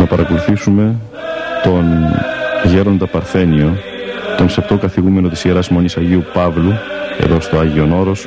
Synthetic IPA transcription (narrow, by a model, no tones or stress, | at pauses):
nɐpɐɾʔɐkoluθisume̞ | t̪o̞n | ɐʝe̞ɾo̞nd̪ɐpɐɾθe̞nio̞ | t̪o̞nsept̪o̞kɐθiɣume̞no̞t̪isieɾɐsmo̞nisɐʝiupɐvlue̞̰ðo̞st̪oɐʝio̞no̞ɾo̞s